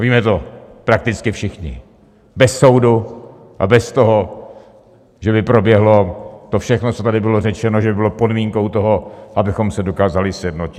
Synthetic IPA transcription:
viːmɛt̪o̞pɾak̚t̪ɪt͡skɪfʃɪxɲɪ̰ | bɛsːo̞wdu | ʔa̰bɛst̪o̞ɦo | ʒɛbɪpɾo̞bjɛɦlo̞t̪o̞fʃɛxnot͡sot̪adɪbɪlorɛt͡ʃɛnoʒɛbɪbɪlopo̞dmiːŋko̞wt̪o̞ɦoʔabɪxo̞msɛdo̞kaːzalɪsjɛdno̞cɪ̥

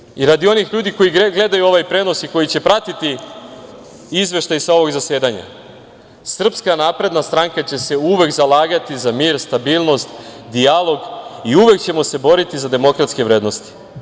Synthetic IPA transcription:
iɾad̪io̞nixʎuːd̪iko̞jiɡle̞d̪ajuo̞ʋajpɾe̞no̞siko̞jit͡ɕe̞pɾat̪it̪i | izʋe̞ʃt̪ajsao̞ʋo̞ɡzase̞ːd̪aɲa̰ | sr̩pskanaːpɾe̞d̪nast̪ɾaŋkat͡ɕe̞se̞uʋe̞kzalaːɡat̪izamiːɾst̪abiːlˠno̞st̪d̪ialˠo̞ɡiuʋe̞kt͡ɕe̞mo̞se̞bo̞ɾit̪izad̪e̞mo̞kɾat̪ske̞ʋɾe̞d̪no̞st̪i̥

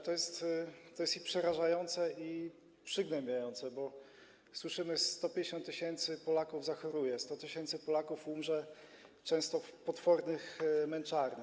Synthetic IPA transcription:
t̪ɔjɛst̪t̪ːɔjɛst̪ipʂɛɾaʐajɔnt̪sɛʔi | pʂɘɡnɛmbʲjajɔnt̪sɛbɔ | swɘʂɘmɘst̪ɔpʲjɲd͡ʑeɕɔ̃nt̪ːɘɕɛnt̪sɘpɔlakuvzaxɔɾujɛst̪ɔt̪ɘɕɛnt̪sɘpɔlakufumʐɛt͡ʂɛ̃w̃st̪ɔfpɔt̪fɔɾnɘxmɛnt͡ʂaɾnɘ

